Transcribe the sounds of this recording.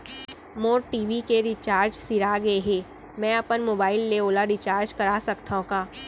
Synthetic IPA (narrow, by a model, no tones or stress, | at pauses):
moːɾʈiːʋikeɾɪt͡ʃaːɾd͡ʒsɪɾaɡɐeɦẽː | mɛ̃ːɐpənmoːbaːɪlːeoːlaɾɪt͡ʃaːɾd͡ʒkɐɾaːsɐkt̪aɦõkaː